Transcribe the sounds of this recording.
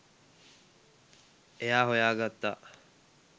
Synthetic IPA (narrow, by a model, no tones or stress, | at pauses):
ejaːɦojaːɡat̪ːa